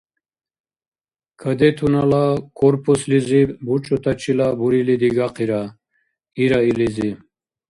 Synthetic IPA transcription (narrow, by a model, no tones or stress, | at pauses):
kʰəd̪ɛt̪ʰunalakʰʼɔɾpʰuslizibut͡ʃʼɔt̪ʰat͡ʃʰilabuɾilid̪iɡaqʰiɾa | iɾailizi